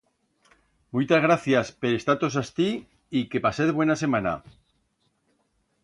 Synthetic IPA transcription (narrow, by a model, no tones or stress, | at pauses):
mujt̪azɣ̞ɾaθjaspeɾest̪at̪os̬ast̪i | ikepaseðβwe̞nase̞mana̰